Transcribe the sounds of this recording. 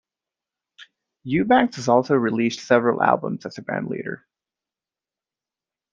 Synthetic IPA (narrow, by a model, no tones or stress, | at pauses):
jʉbæ̃ŋksɨzɔlˠsoʊɹilistsɛvɹəl̩ˠæ̰lˠbə̰̃mz̥ɨzɨbɹæ̰̃ndˡlḭɾə̰˞